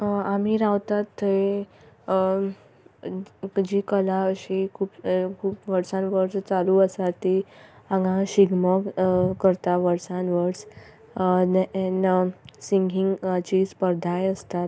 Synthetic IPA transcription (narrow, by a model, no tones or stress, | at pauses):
amiɾawt̪at̪ʰːəe | d͡ʑikəlaəɕikʰuːpkʰuːpʋəɾsãnʋəɾst͡saluəsat̪ːiãŋɡãɕiɡməkəɾt̪aʋəɾsãnʋəɾs | nɛnsiŋɡʱiŋɡt͡ɕispəɾd̪ʱajəst̪at̪